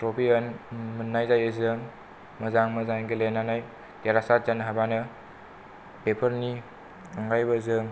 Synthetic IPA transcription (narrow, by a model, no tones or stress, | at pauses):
tɾopʰiənmɯnːajzajezɯŋ | mɐzaŋmɐzaŋɡelenanaj | teɾasat̚d͡ʒanɦabanɯ | pepʰəɾni | aŋɡajbəzɯŋ